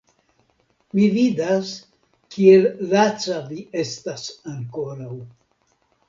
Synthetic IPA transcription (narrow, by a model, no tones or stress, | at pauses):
mividas | kiellat͡savie̞stasaŋkoɾaw